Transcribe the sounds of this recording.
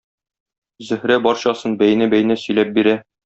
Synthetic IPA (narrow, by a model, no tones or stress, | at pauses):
zɵ̆hɾæbɒɾɕɑsɤnbæjnæbæjnæsɵ̆jlæp̚biɾæ